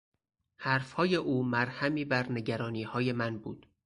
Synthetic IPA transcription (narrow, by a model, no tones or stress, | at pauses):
hæɾfhɒːje̞ʔuːmæɾhæmiːbæɾne̞ɟæɾɒːniːhɒːje̞mænbṵːd̪̥